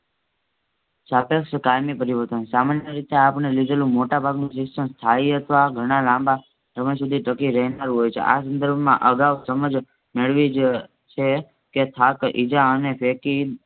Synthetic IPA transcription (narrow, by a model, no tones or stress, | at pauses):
t͡ʃapekʃkajmipəɾiʋəɾt̪ənsamanjəɾit̪eapɳelid̪elũmoʈabʱaɡnũsɪksəmst̪ʰaiɦət̪ʋaɡʱəɽ̃alãmba | səməjsud̪ʱiʈəkiɾəɦinaɾũɦojt͡ʃʰḛʔa̰s̬ə̃nd̪əɾbʱmã̰ʔəɡawsəməd͡ʒ | meɭʋid͡ʒ | t͡ʃʰe | ket̪ʰakʔid͡ʒaənepʰeki